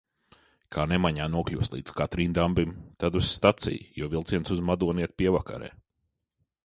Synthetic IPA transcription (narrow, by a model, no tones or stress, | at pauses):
kʰaːnemaɲaːnuɔklʲṵːslˠḭːd̪zkat̪ɾiːmd̪ambimt̪ad̪usːt̪at̪sḭjjuɔvilˠt̪siɛnsuzmad̪uɔniɛt̪̚pʲiɛvaka̰ɾɛ̰ː